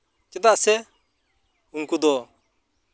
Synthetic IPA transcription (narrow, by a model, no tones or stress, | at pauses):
kɪt̪asɛ | uŋkud̪ɔ